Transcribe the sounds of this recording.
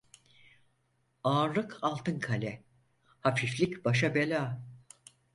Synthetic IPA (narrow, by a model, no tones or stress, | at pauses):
aːɾlˠɯkʰalˠt̪ʰɯnkʰalʲɛ | hafiflʲicbaʃabelʲaː